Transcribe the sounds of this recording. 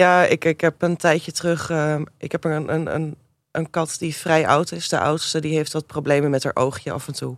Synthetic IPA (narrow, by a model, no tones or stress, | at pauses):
jaːɪkɪkɦɛpəntɛjətrɵχəʔɪkɦɛpənə̰nə̰n | ənkɑtdifrɛjʔɑ̰wtɪsdə̰ʔɑ̰wtstədiɦejftʋɑt̚prowblejməmɛta̰ːɹʔowχjə̰ʔɑ̰fɛntu